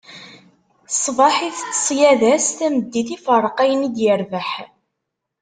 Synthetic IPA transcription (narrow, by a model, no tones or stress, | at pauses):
sˤvɑħiθt͡sːsˤjæðæsθæməd̪ːiθifərˤqæjənid̪jəɾvəħ